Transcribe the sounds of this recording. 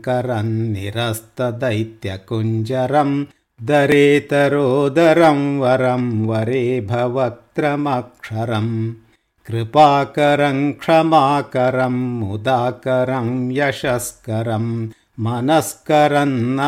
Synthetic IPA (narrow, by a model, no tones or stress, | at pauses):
kɐɾɐnːiɾɐst̪ɐd̪ɐjt̪jɐkuɲd͡ʒɐɾɐm | d̪ɐɾeːt̪ɐɾoːd̪ɐɾɐmʋɐɾɐmʋɐɾeːbʱɐʋɐkt̪ɾɐmɐkʂɐɾɐm | kɾɪpaːkɐɾɐŋkʂɐmaːkɐɾɐmːud̪aːkɐɾɐmjɐʃɐskɐɾɐmː | ɐnɐskɐɾɐnːɐ